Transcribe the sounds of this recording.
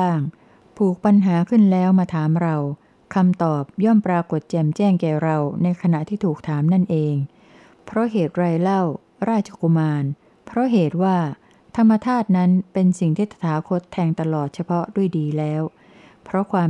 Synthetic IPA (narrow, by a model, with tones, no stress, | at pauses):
aː˥˩ŋ | t̪ʰuː˨˩k̚pa˧nɦaː˩˦kʰɯ˥˩nlɛː˦˥wmaː˧t̪ʰaː˩˦mɾa˧w | kʰa˧mt̪ɔː˨˩p̚jɔ˥˩mpɾaː˧ko˨˩t̪̚t͡ɕɛː˨˩mt͡ɕɛː˥˩ŋkɛː˨˩ɾa˧wna˧jkʰa˧na˨˩ʔt̪ʰiː˥˩t̪ʰuː˨˩k̚t̪ʰaː˩˦mna˥˩nʔeː˧ŋ | pʰɾɔ˦˥ɦeː˨˩t̪̚ɾaː˧jla˥˩w | ɾaː˥˩t̪̚t͡ɕʰḁ˧ku˧maː˧n | pʰɾɔ˦˥ɦeː˨˩t̪̚waː˥˩ | t̪ʰa˧mːa˧t̪ʰaː˥˩t̪̚na˦˥npe˧nsi˨˩ŋt̪ʰiː˥˩t̪ʰḁ˧˩t̪ʰaː˩˦kʰo˦˥t̪ʰːɛː˧ŋt̪a˧lɔː˨˩t̪̚t͡ɕʰa˧pʰɔ˦˥du˥˩əjdiː˧lɛː˦˥w | pʰɾɔ˦˥kʰwaː˧